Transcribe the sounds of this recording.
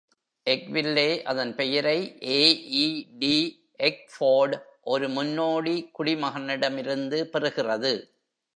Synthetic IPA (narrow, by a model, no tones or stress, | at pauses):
ʔɛkʋɪlːeːʔɐðɐnpɛjɐɾɐɪʔeːiːɖiː | ɛk̚foːɖʔɔɾɯmʊnːoːɽikʊɽimɐɣɐnɪɽɐmɪɾɯnd̪ɯpɛrɯɣɪrɐðɯ